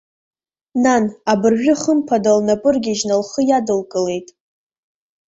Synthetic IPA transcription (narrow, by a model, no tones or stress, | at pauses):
nanabɨrʒᶣʊχəmpʰadalnapʼɨrɡʲɪʒnalχəjadɨlkʼɨle̞jtʼ